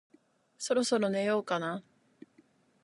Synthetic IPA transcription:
so̞ɾo̞so̞ɾo̞ne̞jo̞ːkana

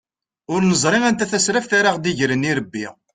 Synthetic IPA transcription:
ʊɾnəzˤɾˤɪænt̪æθæsɾæfθaɾaʁd̪iʝɾəniɾəbːḭ

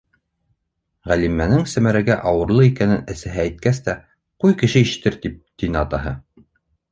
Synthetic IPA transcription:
ʁælimːænɘŋsæmæɾæɡæʔɑwɤ̆ɾlˠɤikænɘnɘ̆sæɦæːjt̪̚kæst̪æ | qujkɘ̆ʃɘiʃɘ̥̆t̪ɘɾt̪ip̚t̪ʲinɑt̪ɑɦɤ

